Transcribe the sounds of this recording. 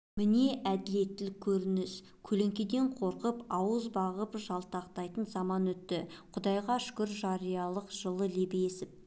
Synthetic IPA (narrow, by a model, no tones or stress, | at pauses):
mɪne̞ʔæd̪ɪle̞t̪ːɪlɪkʲʰɵɾɪnɪs | kʲʰɵle̞ŋkʲe̞d̪e̞ɴqʰo̞ɾqəpɑwəzbɑʁəpʒɑlˠt̪ɑqt̪ɑjt̪ənzɑmɑnɵt̪ːɪqʰʊd̪ɑjʁɑʃʏ̥kʲʏɾʒɑɾijɑlˠəqʒ̥əlˠəlebeje̞sɪp̚